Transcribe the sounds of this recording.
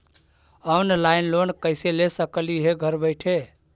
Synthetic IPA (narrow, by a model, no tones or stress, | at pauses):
ɔwnlaɪnlonkəselesəkliɦeɡʱəɾbəɪʈʰe